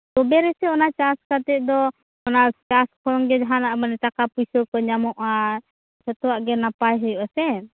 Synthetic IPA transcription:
t̪ɔbɛɾɛsɛɔnat͡ʃaskat̪ɛd̪ɔ | ɔnat͡ʃaskʰɔlɔŋɡɛd͡ʒaɦanaʔmanɛt̪akapujsɔkɔɲamɔʔa | sɔt̪ɔwaʔɡɛnapajɦɔjuʔasɛ

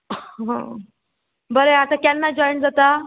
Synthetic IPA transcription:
ɦə̰̃ | bəɾeat̪akjanːad͡ʑɔjɳʈd͡zat̪a

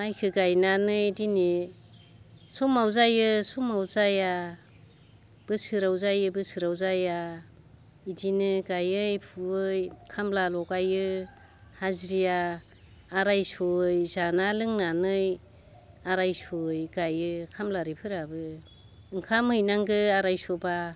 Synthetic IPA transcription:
majkʰɯɡajnanɯjdini | sɔmawzajɯsɔmawzaja | b̥ɯsɯɾawzajɯbɯsɯɾawzaja | idinɯɡajɯjpʰuɯjkʰamlalɔɡajɯ | hazɾijaː | ɾajsojzanalɯŋnanɯj | aɾajsojɡajɯkʰamlaɾipʰɯɾabɯ | ɯŋkʰamhɯjnaŋɡɯaɾajsɔba

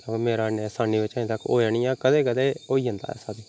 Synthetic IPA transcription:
akːmeːɾaːneːsaːniːʋɪt͡ʃəĩːt̪əkːo̰ːaːniːãːkəd̪eːkəd̪eːoːiːɦənd̪a̰ːɛ̰ːsaːd̪iː

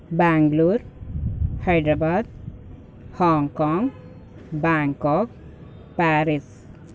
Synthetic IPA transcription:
baŋɡluɾ | hajɖɾabad̪̚ | hɔŋkɔŋ | baŋkɔk̚ | paɾis

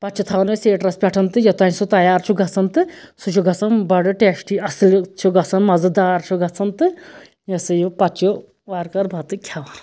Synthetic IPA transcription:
pɐt͡ʃʰut̪ʰaʋɐnɨseːʈɾɐspʲɐʈʰɐnt̪ɨjɐt̪ɐnsut̪ɐjaːɾt͡ʃʰuɡɐt͡sʰɐnt̪ɨsut͡ʃʰuɡɐt͡sʰɐnbɐɽɨʈesʈiɐsɨlt͡ʃʰuɡɐt͡sʰɐnmɐzɨd̪aːɾt͡ʃʰuɡɐt͡sʰɐnt̪ɨ | jɐsɨjupɐt͡ʃo | ʋaːɾkɐɾbʱɐt̪ɨkʲʰaʋɐn

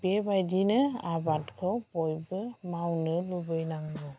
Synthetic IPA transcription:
bebajdinɯabatkʰɔbɔjbɯmawnɯlubɯjnaŋbɔ

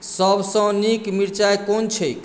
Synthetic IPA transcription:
səbʱsə̃nikmiɾt͡ʃajkont͡ʃʰəjk

